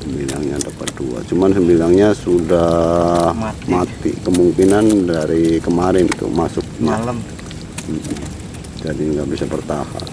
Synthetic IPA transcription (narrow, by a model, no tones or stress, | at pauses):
səmbilaŋɲadapat̪̚dua̰t͡ʃumansəmbilaŋɲasudahmat̪ḭkəmuŋkinandaɾikəmaɾɪnt̪ṵmasʊk̚ma | m̩h̩ | d͡ʒadiŋɡaʔbisapərt̪aha̰n